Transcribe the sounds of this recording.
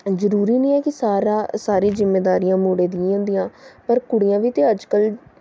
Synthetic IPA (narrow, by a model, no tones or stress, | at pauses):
zəɾuːɾiːnĩːɛːkɪsaːɾaːsaːɾiːzɪmːeːd̪aːɾijãːmoːɽeːd̪ĩɦãːnd̪ijãːpəɾkʊɽɪjãːʋiːt̪eːəd͡ʒkəl